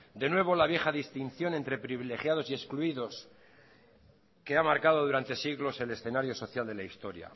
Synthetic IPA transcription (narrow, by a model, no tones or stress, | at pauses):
d̪e̞nwe̞β̞o̞laβje̞xaðist̪inθjo̞ne̞nt̪ɾe̞pɾiβile̞xjað̞o̞sie̞skluiðo̞s | ke̞amaɾkaðo̞ðuɾant̪e̞siɣlo̞se̞le̞sθenaɾjo̞so̞θjald̪e̞laist̪o̞ɾja̰